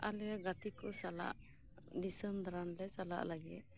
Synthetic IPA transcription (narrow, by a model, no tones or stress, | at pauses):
alɛaɡat̪ikɔsala̰ʔ | d̪isəmd̪ɾanlɛt͡ʃala̰ʔlaɡɛt̪̚